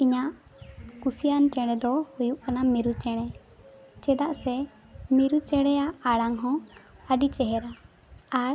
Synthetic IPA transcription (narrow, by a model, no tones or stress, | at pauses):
iɲaʔ | kusijanʈɛɽ̃ɛd̪ɔhujuʔkanamiɾut͡ʃɛɽ̃ɛ | t͡ʃɛd̪aʔsɛ | miɾut͡ʃɛɽɛjaʔːɽaŋɦɔ̃əɖit͡ʃɛɦɛɾa | aɾ